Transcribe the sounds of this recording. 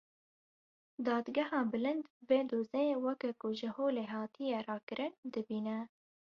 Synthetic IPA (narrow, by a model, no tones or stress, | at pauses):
d̪ɑːd̪ɡɛhɑːbɨlɨnd̪veːd̪oːzewɛkɛkʊʒɪhoːleːɦɑːt̪ijerɑːkɨɾʔɨnd̪ɨbiːnɛ